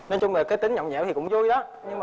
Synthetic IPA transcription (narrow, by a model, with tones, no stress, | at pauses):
ne˧nt͡ɕʊ˧ŋ͡mləː˨˩kaː˨˦t̪ï˨˦ŋɲɔ̰˧˨ŋ͡mɲɛ̰˧˥wt̪i˨˩kʊ̰˧˥ŋ͡mzu˧jɗɔ˨˦ɲɨ˧ŋma˨